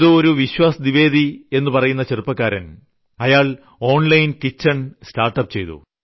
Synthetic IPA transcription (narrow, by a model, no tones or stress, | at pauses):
ðɨoɾuʋiɕwaːsɐniʋe̞ːd̪ie̞nːupɐrɐjunːɐt͡ɕerupːɐkːaːɾɐn | ɐjaːɭ | o̞ːɳlɐjnkit͡ɕːɐɳstaːrʈːɐp̚ːt͡ɕe̞jt̪ṵ